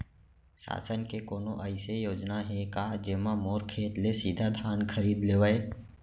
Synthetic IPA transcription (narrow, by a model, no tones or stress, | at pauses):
sa̰ːsənkekoːnõʔəɪsejoːd͡ʒnaɦɛ̃kaːd͡ʒemamoːɾkʰeːt̪lesiːd̪ʱad̪ʱaːnkʰəɾiːd̪leːʋəe